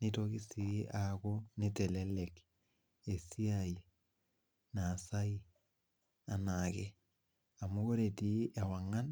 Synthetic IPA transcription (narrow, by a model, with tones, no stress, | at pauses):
ni˦toki˦si˦ʔako˦ni˦te˨le˦lek | e˨si˦ai | naː˨sa˦i˦ | a˨nake˦ | a˨mu˦ko˦ɾe˨ti˦ʔa˨wa˨ŋa˦n